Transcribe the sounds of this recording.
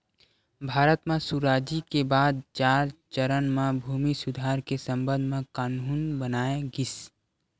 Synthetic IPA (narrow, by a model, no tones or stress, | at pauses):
bʱaːɾət̪mẽsuɾaːd͡ʒikebaːd̪̚t͡ʃaːɾt͡ʃəɾənmẽbʱuːmisʊd̪ʱaːɾkesə̃mbə̃nd̪ʱmẽkaːnuːnbənaːeɡɪs